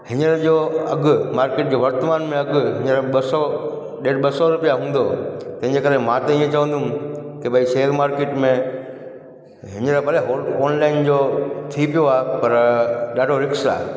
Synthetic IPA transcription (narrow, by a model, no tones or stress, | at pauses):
hɪɲəɾd͡ʑoːɐɠʊmaːɾkeːʈ̚d͡ʑoːʋɐɾt̪əmaːnmẽɐɡɦɪɲəɾɓɐsɔ | ɗeːɖɓɐsɔɾʊpijaɦũːn̆d̪ot̪ɐ̃ɦɪ̃ɲd͡ʑekɐɾemãt̪ɐiẽt͡ɕɐʋə̃n̆d̪ʊ̃kebʱaiseːlmaːɾkeːʈmẽ | ɦɪɲəɾapɐleɦoːɔːnlaːɪnd͡ʑoːt̪ʰipijoaːɦepɐɾɗaːɖʱoɾɪksa̰ːɦe